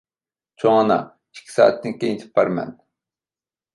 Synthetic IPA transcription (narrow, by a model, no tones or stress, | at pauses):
t͡ʃʰoŋɑnɑ̰ | i̥kʲʰːi̥sɑ̰ːɛt̪ːɪŋkʲejint̪ʰɪ̥pʰːɑɾmɛ̰n